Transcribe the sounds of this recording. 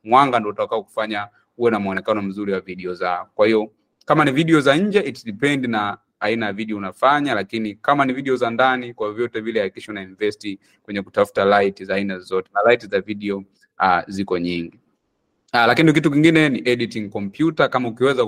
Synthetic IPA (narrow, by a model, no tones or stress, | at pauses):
mwaŋɡandɔutakaɔku̥faɲa | uwɛnam̩ɔnɛkanɔm̩zuɾiwaviɗiɔzaɔkwahiɔ | kamaniviɗiɔzaɲ̩d͡ʒɛitiɗipɛndinaː | inajaviɗiɔunafaɲalakinikamaniviɗɛɔzandanikwavjɔtɛvilɛakiʃaunainivɛsti | kwɛɲɛku̥tafu̥talaitizaːinazɔtɛnalaitizaviɗiɔ | azikɔɲiŋɡi | lakinik̬ituk̬iŋɡinɛniʔɛɗitiŋkɔmpjutakamaukiwɛza